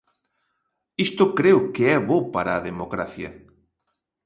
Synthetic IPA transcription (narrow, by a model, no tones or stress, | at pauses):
ist̪ʊkɾeʊkeɛβopaɾaːðemokɾaθjɐ̰